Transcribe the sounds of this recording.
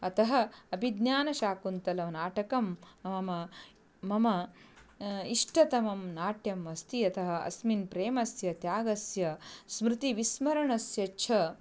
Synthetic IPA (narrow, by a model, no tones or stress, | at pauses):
ɐt̪ɐɦɐ̆ɐbʱid̪njaːnɐʃaːkunt̪ɐlɐmɐnaːʈɐkɐmɐmɐmɐː | ɐmɐ | iʂʈɐt̪ɐmɐmnaːʈjɐmɐst̪iɐt̪ɐɦɐ̆ɐ̰sminpɾeːmɐsjɐt̪jaːɡɐsjɐsmɾɪt̪iʋismɐɾɐɳɐsjɐt͡ʃʰɐ